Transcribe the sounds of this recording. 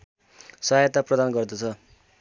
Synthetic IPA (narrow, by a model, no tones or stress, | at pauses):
sʌɦajt̪aprʌd̪anɡʌrd̪ʌt͡sʰʌ